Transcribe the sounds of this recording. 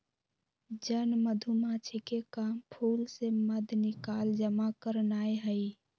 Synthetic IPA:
d͡ʒənməd̪ʱumat͡ʃʰikekampʰulseməd̪ʱnikald͡ʒəmakəɾnaeɦəi

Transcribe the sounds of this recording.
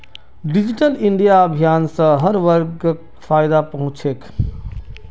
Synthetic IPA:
ɖɪd͡ʒɪʈəlɪɳɖijaəbʱijaːnsə̃ɦəɾʋəɾɡ | faːɪd̪apəɦʊ̃t͡ʃʰek

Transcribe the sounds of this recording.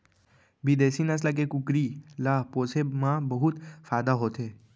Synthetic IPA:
bid̪esinaslak̬ekukɾilaposemãbəɦut̪faːd̪aɦot̪ʰe

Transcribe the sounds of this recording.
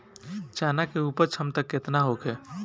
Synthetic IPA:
t͡ʃaːnakeuːpəɾt͡ʃʰəmt̪əkːɪt̪naɦoːkɦɛː

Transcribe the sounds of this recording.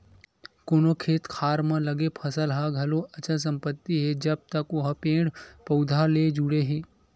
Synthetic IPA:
koːnokʰeːt̪kʰaːɾmãlɐɡepʰɐsəlɦaɡʱɐloɐt͡ʃʰəs̬ɐ̃mpət̪ːiɦɛd͡ʒɐb̚t̪ɐkoɦəpẽːɽpɐʊd̪ʱaled͡ʒuɽeɦẽː

